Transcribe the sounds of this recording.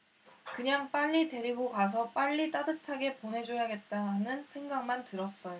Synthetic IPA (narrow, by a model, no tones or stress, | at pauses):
kɯɲaŋp͈aʎːide̞ɾiɡokas̬ʰʌp͈aʎːit͈adɯtʰaɡe̞ponɦe̞d͡ʑojaɡe̞t̚t͈aɦanɯnsʰe̞ŋɡaŋmantɯɾʌs͈ʌjo